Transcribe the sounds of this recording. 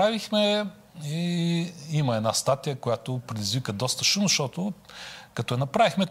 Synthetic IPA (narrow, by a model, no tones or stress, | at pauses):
ɾavixmɛ | i | iməɛd̪nast̪at̪ijəkʊjat̪ʊpɾɛd̪izvikəd̪ɔst̪ə̥ʃumzɐʃt̪ɔt̪ʊkɐt̪ɔjɛnɐpɾavixmɛ